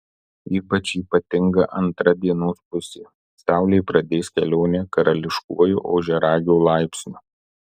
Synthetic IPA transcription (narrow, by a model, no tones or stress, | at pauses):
iːpɐt͡ʃʲiːpɐt̪ʲɪŋɡɐʔɐnt̪ɾɐd̪ʲiɛnoːspʊsʲe | sʲæˑʊlʲejpɾɐd̪ʲeːsʲkʲɛlʲoːnʲɛːkɐɾɐlʲɪʃkṵɔjṵːʔoːʒʲɛɾɑːɡʲoːlˠɑˑɪpʲsʲnʲuː